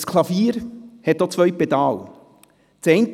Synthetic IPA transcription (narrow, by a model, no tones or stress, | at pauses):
skʰlˠɑfiːɾhɛt̚ːot͡sʋœɥpɛd̪ɑːl | t͡sɛɪnt